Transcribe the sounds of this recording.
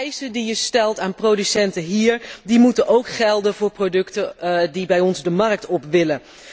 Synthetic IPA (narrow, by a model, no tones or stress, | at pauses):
jsədijəstɛlˠtaːnprowdysɛntəɦiːɹdimutənʔowkχɛlˠdənvʊːɹprodɵktədibɛjɔnzdəmɑɹk̚tɔpʋɪlə